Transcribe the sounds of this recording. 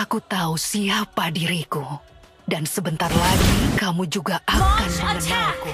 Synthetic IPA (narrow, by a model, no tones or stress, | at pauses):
akut̪ausiapadiɾiku | dansəbənt̪arlaɡikamud͡ʒuɡaʔakanməmənaŋku